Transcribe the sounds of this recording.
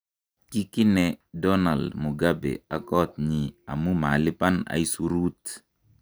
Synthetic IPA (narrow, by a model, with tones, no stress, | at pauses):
t͡ʃi˦kɪ˦nɛ˦dɔ˦na˨ldmu˨ɡa˦bḛ˨a˨kɔ˦t̪̚ɲi˨a̰˨mu˦ma̰˨lɪ˦pa˦na̰˨i˦su˦ɾu˦t̪